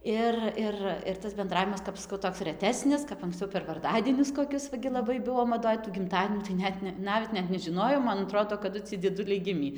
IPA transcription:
ˈɪr ˈɪr ɪr tɐs bʲɛnˈdrɑːʋʲɪmɐs kɐp ˈskɐʊ ˈtoːks rʲɛˈtʲæːsʲnʲɪs kɐp ɐŋksʲt͡sʲɛʊ pʲɛr ʋɐrˈdɑːdʲiɛnʲʊs koːˈkʲʊs ʋɐ ˈɡʲɪ lˠɐˈbɐɪ ˈbʊʋoː mɐˈdoːj tuː ɡʲɪmˈtɑːdʲiɛnʲuː tɐɪ ˈnʲɛt nʲɛ ˈnɑːʋʲɛt ˈnʲɛt nʲɛʒʲɪˈnoːjoːm mɐn ɐˈtroːdoː kɐˈdʊ ˈt͡sʲiɛj d͡zʲiɛˈdʊlʲɛɪ ˈɡʲɪmʲiː

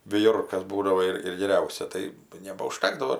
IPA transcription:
ʋʲɪˈjʊrkɐs ˈbuːdɐʋoː ɪr ɪr ɡʲɛˈrʲɛʊsʲɛ ˈtɐɪ nʲɛbɐʊˈʃʲtʲæːɡdɐʋoː

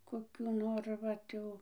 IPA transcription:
koːˈkʲuː ˈnoːr ˈʋɐt jɛʊ

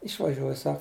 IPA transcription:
ɪʃʋɐˈʒʲuɔj ˈsɐk

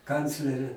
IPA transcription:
ˈkɐnʲt͡sʲlʲɛrʲeː

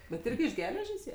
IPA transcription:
bʲɛt ˈɪrʲɡʲɪ ɪʃ ˈɡʲæːlʲɛʒʲeːs ˈjiɛ

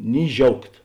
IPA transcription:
nʲɪ ˈʒʲɛʊkt

